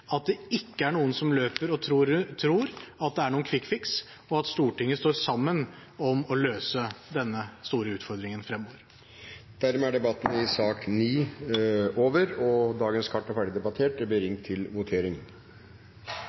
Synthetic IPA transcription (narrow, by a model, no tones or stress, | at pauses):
ɑt̪̚d̪ɛɪkːəæɳuːənsɔmløːpəɾɔɾt̪ʰɾuːɾɑt̪̚d̪ɛæɳuːənkʰʋɪkːfɪks | ɔɑt̪st̪uːʈɪŋːəst̪oːɾsɑmːən | ɔmɔløːsəd̪ɛnːəst̪uːɾəʉːt̪fɔɾd̪ɾɪŋənfɾɛmːoːʋəɾ | d̪̥æɾmɛæɖɛbɑt̪ːənəɪsɑːkniː | oːʋəɾɔd̪ɑːɡənskʰɑʈːɔfæɖɪd̪ɛbɑt̪ʰeːʈɛbeɾɪŋt̪ʰːɪlʋʊt̪ʰeːɾɪŋ